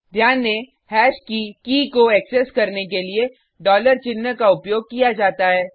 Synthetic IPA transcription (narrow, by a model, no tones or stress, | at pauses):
d̪ʱjaːnːe | hɛːʃkikiːkoɛksɛskɐɾnek̬elie | ɖɔːləɾt͡ʃɪnːəkaʊpjoːɡ̚kijad͡ʒaːt̪aɦɛː